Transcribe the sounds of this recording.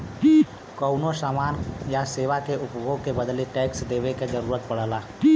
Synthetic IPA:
kəʊnosaːmaːnjaseːʋakeʔʊpɡõkebəd̪leʈɛːksd̪eːʋeked͡ʒəɾuːɾət̪̚pɐɽ̤əlaː

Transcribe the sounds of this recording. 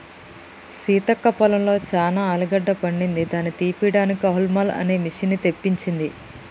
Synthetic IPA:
siːt̪ɐkːɐpɐlɐmlo̞ːt͡ʃaːnaːlɐɡɐɖːɐpɐɳɖind̪id̪aːnit̪iːpiɽaːnikiɐɦulmɐlɐ̰ne̞ːmiʂinːit̪e̞pːiɲt͡ʃind̪i

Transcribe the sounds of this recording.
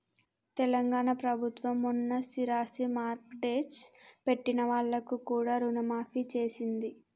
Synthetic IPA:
t̪ɛlɐŋɡaːɳɐpɾɐbʱut̪ʋɐmːunːɐsiɾaːsimaːɾkʈeːd͡ʒpe̞ʈːinɐʋaːɭːɐkukuːɽaːɾunɐmaːfit͡ʃe̞ːsind̪i

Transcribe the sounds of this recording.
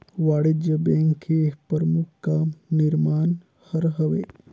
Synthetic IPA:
ʋaːɽɪd͡ʒjəbɛ̃ːŋkʰːepəɾmʊkʰːkanɪɾmaːn | həɾɦɐʋḛː

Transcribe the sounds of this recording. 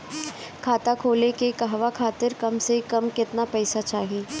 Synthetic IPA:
kʰaːt̪akʰoːlekekɐɦʋakʰaːt̪ɪɾkɐmsekɐmkɪt̪napɛːsat͡ʃaːɦẽː

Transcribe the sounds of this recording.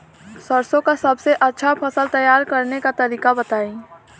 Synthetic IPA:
sɐɾsõkasɐbseʔɐtːʃʰapʰɐsəlt̪ɐjaːɾkɐɾnekat̪ɐɾiːkabɐt̪aːĩː

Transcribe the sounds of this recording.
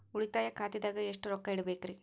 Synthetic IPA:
uɭit̪aːjɐkʰaːt̪id̪aːɡɐeʂʈuɾɔkːɐiɽɐbeːkɾi

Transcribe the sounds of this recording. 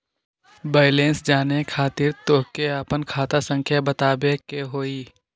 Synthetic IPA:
beːɪlẽːnsd͡ʒaːnekʰaːt̪ɪɾt̪oːkeapənkʰaːt̪asə̃ŋkʰjabət̪aːbekeɦoːiː

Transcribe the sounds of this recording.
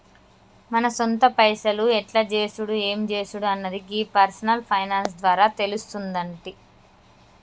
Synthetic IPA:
mɐnɐsont̪ɐpɐjsɐluɛʈlɐd͡ʒe̞ːsuɽue̞ːmd͡ʒe̞ːsuɽuɐnːɐd̪iɡiːpɐɾsɐnɐlpʰɐjnaːnsd̪ʋaːɾaːt̪e̞lust̪und̪ɐɳʈi

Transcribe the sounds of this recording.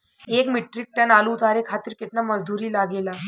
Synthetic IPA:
ekmiʈɾik̚ʈənaluːt̪aɾekʰat̪iɾkit̪naməd͡zd̪uɾiːlaɡela

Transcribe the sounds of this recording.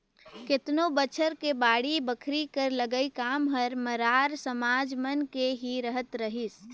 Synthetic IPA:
kɪt̪nobət͡ʃʰəɾkebaːɽibəkʰɾikəɾləɡəikaːmɦəɾməɾaːɾsəmaːd͡ʒmənkeɦiɾəɦət̪ɾəɦis

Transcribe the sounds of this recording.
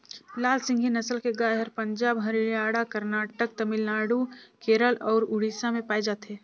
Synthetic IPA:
laːlsɪ̃ŋɡʱinəsəlkeɡaːɦəɾpəɲd͡ʒaːbɦəɾiaːɽakəɾnaːʈək̚t̪əmɪlnaːɽukeːɾəlɔːɾʊɽiːsamẽpaːid͡ʒaːt̪ɦeː

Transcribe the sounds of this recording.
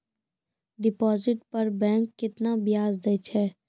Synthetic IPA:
ɖɪpɔːzɪʈpɐɾbɛ̃ːŋkːɪt̪nabɪjaːzd̪ɐt͡ʃʰɛː

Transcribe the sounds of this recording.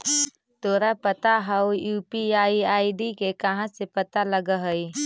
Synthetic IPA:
t̪oːɾapət̪aɦəʊjuːpiaːiaːiɖikekɐɦãsepət̪aləɡəɦəi

